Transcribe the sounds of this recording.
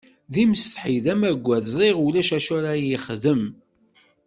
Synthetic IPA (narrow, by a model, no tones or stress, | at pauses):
ðimsθħiðæmæɡʷːæðzðˤiʁulæʃæʃʊɾajiχðəm